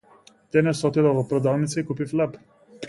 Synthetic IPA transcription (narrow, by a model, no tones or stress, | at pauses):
t̪ɛnɛsɔt̪ilavɔpɾɔd̪alˠnit̪səikupiflɛp